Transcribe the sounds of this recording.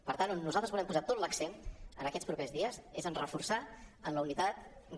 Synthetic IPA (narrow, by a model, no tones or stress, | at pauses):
pəɾt̪anunːuzalˠt̪əzβulɛmpuzat̪ot̪ləksenənəkɛt͡sspɾupezðiəzezənrəfursaənləunit̪at̪̚